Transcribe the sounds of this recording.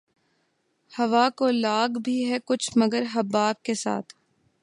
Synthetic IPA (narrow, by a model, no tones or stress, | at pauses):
hɐʋakolaːɡbʱiɦɛkʊt͡ʃʰmɐɡəɾɦɐbːaːb̚kesa̰ːt̪ʰ